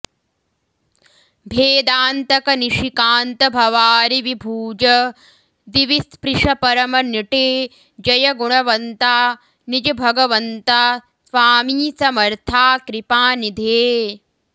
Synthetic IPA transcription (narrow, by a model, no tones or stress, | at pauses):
bʱeːd̪aːnt̪ɐkɐniʃikaːnt̪ɐbʱɐʋaːɾiʋibʱuːd͡ʒɐ | d̪iʋispɾiʂɐpɐɾɐmɐniʈeː | d͡ʒɐjɐɡuɳɐʋɐnt̪aː | nid͡ʒɐbʱɐɡɐʋɐnt̪aː | sʋaːmiːsɐmɐɾt̪ʰaːkɾipaːnid̪ʱeː